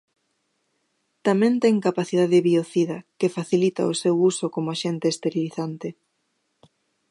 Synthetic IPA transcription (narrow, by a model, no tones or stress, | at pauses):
t̪amɛ̃nt̪ɛŋkapaθið̞aðeβioθiðɐkefaθilit̪a̰osewusokomʊaʃent̪eːst̪eɾjoliθant̪ɪ